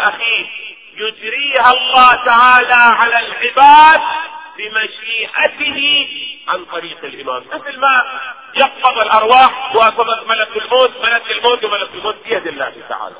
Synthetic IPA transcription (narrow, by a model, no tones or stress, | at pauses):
ʔaxiː | jʊd͡ʒɾiːhalˤːɑːt̪aʕaːlaʕalalʕɪbaːd̪̚bɪmaʃiːʔat̪ɪhiʕant̪ˤɑɾiːqɪlʔɪma̰ːmnɪθɪlma | jɪqfɑðˤɪlʔɑɾˤwaːħwasɑðak̪malakɪlmoːt̪malakɪlmoːt̪wmalakɪlmoːt̪̚bɪjad̪ɪlːa̰ːht̪a̰ʕa̰ːla̰